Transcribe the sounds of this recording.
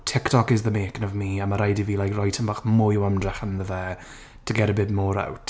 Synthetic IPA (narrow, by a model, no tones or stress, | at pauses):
tʰɪktʰɔkɪzðəmeːkɪnɔvmiamaɾajdiviːlajkrɔjtʰənbaχmʊjəwamdrɛχənðəvɛ | tʰəɡɛɾəbɪːd̚mɔːɾa̰wt